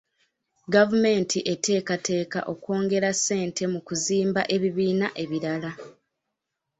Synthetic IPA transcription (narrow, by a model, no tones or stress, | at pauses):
ɡavume̞ːntʰiʔe̞te̞ːkatʰe̞ːka̰ʔo̞kwo̞ːŋɡe̞ɾasːe̞ːntʰe̞mukuziːmbaʔe̞βiβiːnaʔe̞βiɾala